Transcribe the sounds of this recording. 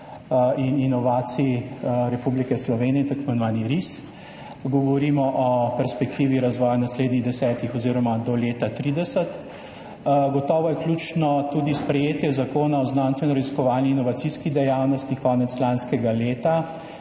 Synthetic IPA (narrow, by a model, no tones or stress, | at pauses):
ininɔʋaːt̪siiɾɛpublikɛslɔʋeːnijɛt̪akmɛnʋaːniɾis | ɡɔʋɔɾimɔʔɔpɛɾspɛkt̪iːʋiɾazʋɔːjanasleːd̪niɣd̪ɛsɛːt̪ixɔziːɾɔmad̪ɔleːt̪at̪ɾiːd̪ɛsət̪ | ɡɔt̪ɔːʋɔjɛklʲut͡ʃnɔt̪ud̪ispɾɛjeːt̪jɛzakoːnaɔznaːnst̪ʋɛnɔɾaziskɔʋaːlniːnɔʋatsiskid̪ɛjawnɔst̪ikɔːnɛt̪slanskɛɡaleːt̪a